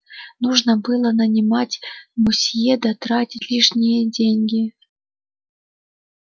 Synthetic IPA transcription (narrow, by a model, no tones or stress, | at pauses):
nuʐnəbɨlˠənɐnʲimatʲmusʲjed̪ɐt̪ɾatʲitʲlʲiʂnʲɪjədʲeŋʲɡʲi